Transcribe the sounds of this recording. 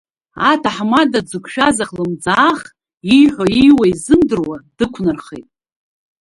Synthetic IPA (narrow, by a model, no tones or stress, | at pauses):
atʰaħmadad͡zɨkʷʰʃᶣazaχlɨmd͡zaːχ | ijħʷoijwaizɨmdɨrwad̥ɨkʷʰnɨrχejtʼ